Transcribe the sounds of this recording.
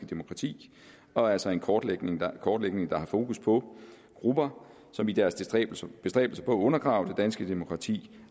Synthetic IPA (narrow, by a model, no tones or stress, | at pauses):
əd̥e̝mo̝kʰʁɑ̈t͡sʰḭː | ɒ̽ælsɒ̽e̝nkʰɒːd̥leɡ̥neŋkʰɒːd̥leɡ̥ne̝ŋd̥ɑ̈hɑ̈fo̝ːkʰuspʰɒ̽ | ɡ̥ʁub̥ɐ | sɒ̽mid̥æɐsb̥e̝sd̥ʁɛ̰ːb̥l̩sɐpʰɒ̽æɔ̽nɐɡ̥ʁɑ̈ʊd̥e̝d̥ænsɡ̥əd̥e̝mo̝kʰʁɑ̈t͡sʰḭː